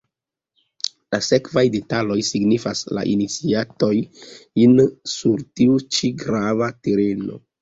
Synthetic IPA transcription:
lase̞kvajde̞talo̞jsiɡnifasla̰ʔinit͡siato̞jinsuɾtiut͡ʃiɡɾavate̞ɾe̞no̞̰

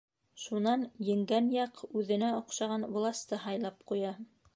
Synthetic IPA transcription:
ʃunɑnjɘ̆ŋɡænjɑqʉðɘ̆næŏqʃɑʁɑnwlˠɑst̪ɤɦɑjlˠɑpqujɑ

